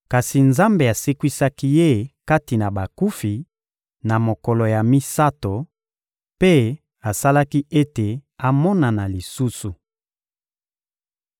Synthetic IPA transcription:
ka˨si˨nza˦mbe˨a˨se˦kwi˦sa˦ki˦je˦ka˦ti˨na˨ba˨ku˦fi˨ | na˨mo˨kɔ˨lɔ˨ja˨mi˦sa˦to˨ | pe˦ | a˨sa˦la˦ki˦ʔe˦te˨a˨mɔ˦na˨na˨li˨su˦su˨

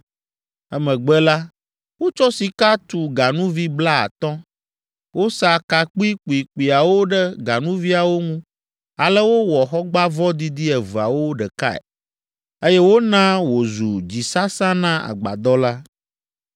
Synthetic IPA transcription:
ɛ˦mɛ̃˨ɡ͡bɛ˦la˦ | wo˦t͡ʃɔ˦si˨ka˦t̪u˨ɡa˨nũ˦vi˦bla˦a̰˨t̪ɔ̃˦ | wo˦sa˨ka˨k͡pi˦k͡pi˨k͡pi˨a˨wo˦ɖɛ˦ɡa˨nũ˦vi˦a˨wo˦ŋũ˦ | a˨lɛ˦wo˦wɔ˨xɔ˦ɡ͡ba˦vɔ˦d̪i˦d̪i˦ɛ˨vu˨a̰˨wo˦ɖɛ˨ka̰˦ɛ̰˨ | e˦jɛ˦wo˦nã˦wo˨zu˨d͡ʑi˨sa˦sã˦nã˦a̰˨ɡ͡ba̰˨d̪ɔ˦la˦

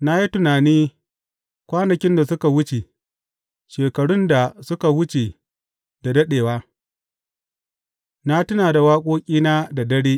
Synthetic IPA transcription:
na˦ji˦tʊ˨naː˨niː˦ | kʷaː˦nɐ˨kʲɪ˦nda˨sʊ˦ka˨wʊ˦t͡ʃe˨ | ʃeː˨kɐ˨ɽʊ˦nda˨sʊ˦ka˨wʊ˦t͡ʃe˨ | da˨dɐ˦ɗeː˨waː˦ | na˦tʊ˦naː˨da˨waː˦kʷʼoː˦kʲʼiː˦na˦da˨dɐ˦ɽeː˦

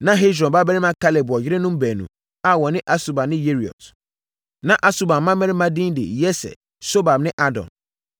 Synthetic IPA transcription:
nã˦ɦe˦sɾɔ̃˨nba˦bɛ˦ɾɪ˦mã˦kʰa˦le˨bʊ˨ɔ˨jɪ˦ɾɪ̃˦nʊ̃˦m˦bɛː˨nṵ̃˨ | a˨wɔ˨nɪ̃˦ʔa˦su˨ba˨nɪ̃˦je˦ɾi˨ɔ̰˨t | nã˨ʔa˦su˨ba˨m˦mã˦mɛ̃˦ɾɪ˦mã˦dĩ˦n˦dɪ̰˨jɛ˦sɛ̰˨ | so˦ba˨bnɪ̃˦ʔa˦dɔ̰̃˨n

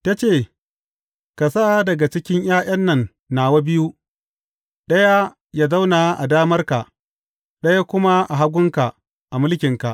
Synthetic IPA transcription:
ta˦t͡ʃeː˦˨ | ka˨saː˦˨dɐ˨ɡa˨t͡ʃɪ˦kʲɪ˦ɲj̰aː˦j̰ɐ˦nːɐ˨nː | aː˨wa˦bɪ˦ju˦ | ɗɐ˦ja˦ | ja˦za˦wna˨ʔa̰˨daː˦mɐ˦rka˨ʔ | ɗɐ˦ja˦kʷʊ˦ma˦ʔa˨ɦa˦ɡʷʊ˦ŋka˨ | ʔa˨mʊ˦lkʲɪ˨ŋka˨ʔ

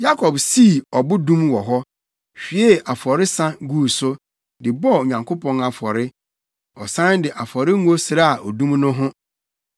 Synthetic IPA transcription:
ja˦kʰɔ˨bsi˦˨ɔ˨bʊ˦dũ˦mwɔ˨ɦɔ˦ | ɕᶣi˨e˦a˨fɔ˨ɾɪ˦sa˦ɡuː˦˨sʊ˦ | dɪ˨bɔ˦˨o˨ɲã˨ŋkʰʊ˦pʰɔ̃˦na˨fɔ˨ɾɪ˦ | ɔ˨sã˦ndɪ˨ʔa˨fɔ˨ɾɪ˦ŋu˦o˦sɪ˨ɾa˦a˨ʔɔ˨dũ˦mnʊ̃˦ɦʊ̃˦

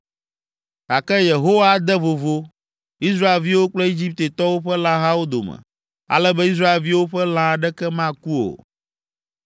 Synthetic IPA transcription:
a˨kɛ˦je˨ɦo˦wa˦d̪ɛ˦vo˨vo˦ | i˦s̬ɾa˦e˨lvi˦wo˦k͡plɛ˦e˦d͡ʑi˦p̚t̪e˨t̪ɔ˦wo˦ɸɛ˦lã˦ɦã˦wo˦d̪o̰˨mɛ̰˨ | a̰˨lɛ˦bɛ˦i˦s̬ɾa˦e˨lvi˦wo˦ɸɛ˦lã˦a˨ɖɛ˦kɛ˦mã˦ku˦o̰˨

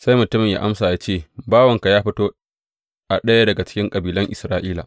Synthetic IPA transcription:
sa˦jmʊ˨tʊ˦mɪ˨ɲja̰˦ʔa˦msaː˨jaː˦t͡ʃeː˦˨baː˦wɐ˨ŋka˨jaː˦ɸɪ˦toː˦ | ʔa˨ɗɐ˦ja˦dɐ˨ɡa˨t͡ʃɪ̥˦kʲɪ˦ŋkʼɐ˨biː˨lɐ˦ŋʔɪ˨sɾaː˦ʔiː˦la̰ː˨

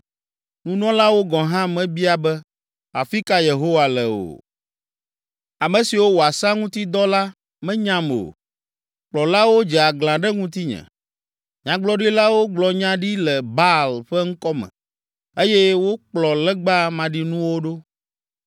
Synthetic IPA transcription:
nũ˦nɔ̃˦la˦wo˦ɡɔ̃˨ɦã˦mɛ̃˨˦bi˦a˨bɛ˦ | a˨fi˦ka˦je˨ɦo˦wa˨lɛ˨o̰˨ | a˨mɛ̃˨si˨wo˦wo˨a˨sa˦ŋũ˦t̪i˦d̪ɔ˦la˦ | mɛ̃˦ɲã˦mo̰˨ | k͡plɔ˨la˦wo˦d͡ʒɛ˨a˨ɡlã˨ɖɛ˦ŋũ˦t̪i˦ɲɛ̰̃˨ | ɲã˨ɡ͡blɔ˦ɖi˦la˦wo˦ɡ͡blɔ˨ɲã˦ɖi˦lɛ˨ba˦lɸɛ˦ŋ̩˦kɔ˦mɛ̰̃˨ | e˦jɛ˦wo˦k͡plɔ˨lɛ˦ɡ͡ba˦mã˨ɖi˦nũ˦wo˦ɖo˦

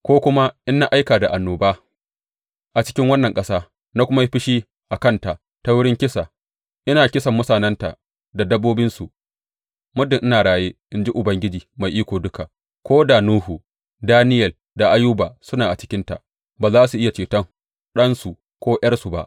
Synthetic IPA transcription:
kʷoː˦kʷʊ˦ma˦ʔɪ˦nːa˦ʔa˦jkaː˨da˨ʔa˨nːoː˨baː˦ | ʔa˨t͡ʃɪ̥˦kʲɪ˦ŋwɐ˦nːɐ˨ŋkʼɐ˦saː˦ | na˦kʷʊ˦ma˦ɸɪ˦ʃiː˦ | ʔa˨kɐ˦nta˨ʔ | ta˦wʊ˦ɽɪ˦ŋkʲɪ˦sa˨ | ʔɪ˦naː˨kʲɪ˦sɐ˨mːʊ˦saː˨nɐ˦nta̰˨ʔ | da˨dɐ˦bːoː˦bɪ˦nsu˨ | mʊ˦dɪ˨ŋʔɪ˦naː˨ɽaː˨jeː˦ʔɪ˦nd͡ʒi˦ʔʊ˨bɐ˦ŋɡʲɪ˦d͡ʒiː˨ma˨jʔiː˦kʷoː˨dʊ˦ka˨ | kʷoː˦da˨nuː˦hu˨ | daː˦nɪ˦jɐ˨l | da˨ʔa˦ju˦baː˨sʊ˦naː˨ʔa˨t͡ʃɪ̥˦kʲɪ˦nta̰˨ | baː˨zaː˦su˨ʔɪ˦ja˨t͡ʃeː˨tɐ˦ŋ | ɗɐ˦nsu˨ | kʷoː˦ʔjɐ˦rsu˨ba̰˦ʔ

